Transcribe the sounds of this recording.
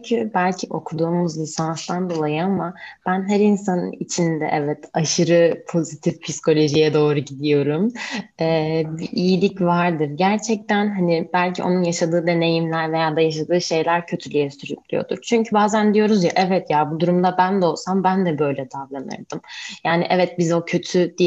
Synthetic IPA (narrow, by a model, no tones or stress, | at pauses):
ɲcʰybælʲcʰiʔo̞kʰud̪uːmuzlʲisanst̪and̪o̞lˠajɯamab̥ænɦæɾinsanɯ̰nit͡ʃʰind̪ɛ̰ʔɛvɛt̪aʃɯɾɯpʰo̞zit̪ʰifpʰisko̞lʲo̞ʒijɛd̪o̞ːɾuɟid̪ijo̞ɾumɛːbiʔijilʲicvaɾd̪ɯɾɟæɾt͡ʃʰɛc̚t̪ʰænɦanibælʲcʰiʔo̞̰nunjaʃad̪ɯːd̪e̞ne̞jimlʲæɾve̞jaːd̪ajaʃ̬ad̪ɯːʃe̞jlʲæɾcʰø̞t̪ʰylʲyjɛsyɾyclʲḭjo̞̰d̪ṵɾt͡ʃʰyɲcʰybaːzænd̪ijo̞ɾuzjaʔɛvɛt̪jabud̪uɾumd̪abænd̪ɛo̞lˠsambænd̪ɛbø̞jlʲɛt̪ʰablˠanɯ̰ɾd̪ɯmjaːniʔɛvɛt̪̚bizo̞cʰø̞t̪ʰyd̪i